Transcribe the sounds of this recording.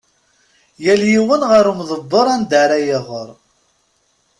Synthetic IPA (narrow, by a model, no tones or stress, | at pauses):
jæljiwənʁəɾumðˤəbːəɾˤænd̪aɾæjəʁəɾˤ